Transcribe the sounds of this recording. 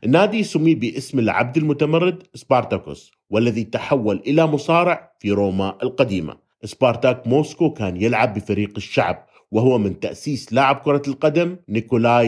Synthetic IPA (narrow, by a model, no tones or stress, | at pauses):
ʔɪnːaːd̪isʊmːiːbiʔɪsmɪlʕa̰b̚d̪ɪlmʊt̪amɑrˤːɪd̪sbɑɾˤt̪akʊ̰s | walːaðit̪aħawːalʔɪlamʊsˤɑːɾɪʕfiɾoːmaʔlqad̪iːma̰ | ʔɪsbɑːɾˤt̪akmoːskokaːnjɪlʕabːɪfaɾiːqɪʃːa̰ʕb̚ | wɪɦʊwːamɪnt̪aʔsiːslaːʕɪb̚kʊɾˤɑlqad̪amnɪkolaː